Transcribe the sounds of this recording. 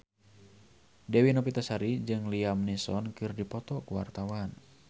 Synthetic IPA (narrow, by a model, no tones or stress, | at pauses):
dɛwinɔpit̪asaɾid͡ʒɨŋliamnisɔnkɨrdipɔt̪ɔkuwart̪awan